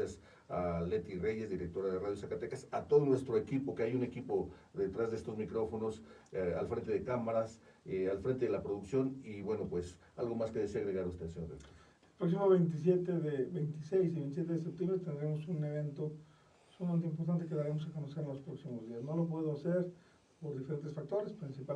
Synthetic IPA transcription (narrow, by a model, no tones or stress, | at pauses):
as | ale̞t̪ire̞ʝe̞zd̪iɾe̞k̚t̪o̞ɾaðeraðjosakat̪e̞kasat̪o̞ðo̞nwe̞st̪ɾoekipo̞keajune̞kipo̞ðe̞t̪ɾazðeest̪o̞zmikɾo̞fo̞no̞salfɾe̞nt̪e̞ðe̞kamaɾas | alfɾe̞nt̪e̞ðelapɾo̞ðuksjo̞niβwe̞no̞pwe̞s | alɣo̞maske̞ðeseaɣɾeɣaɾust̪esenoeo | elpɾo̞ks̬imoβejnt̪̬is̬jet̪eðebejnt̪isejsiβẽnt̪iset̪eðes̬ep̚t̪jembɾet̪end̪ɾemosuneβ̞ent̪o | sulament̪eimpo̞ɾt̪̬ant̪e̞keðaɾemos̬ako̞nose̞ɾenlo̞spɾo̞ksimozðiasnolop̬we̞ð̞oaseɾ | poɾðife̞ɾe̞nt̪e̞sfak̚t̪o̞ɾespɾinsipa